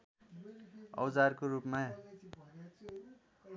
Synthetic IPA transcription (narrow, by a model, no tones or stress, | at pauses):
ʌ̰wd͡zarkorupma